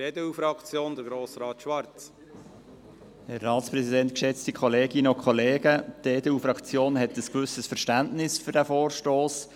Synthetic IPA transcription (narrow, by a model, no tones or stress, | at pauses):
edɛufɾɑkt͡sjoːnd̪əɾɡɾoːsɾɑːt̪ʃʋɑɾt͡s | hɛrːɑːtspɾɛsidɛnt̪kʃɛt͡stikʰχoleːɡɪnəokʰχoleːɡəteːdɛufɾɑkt͡sjoːnɦɛtəskʋʏsəsfəɾʃtæntnɪsfʏɾdæfoːɾʃtoːs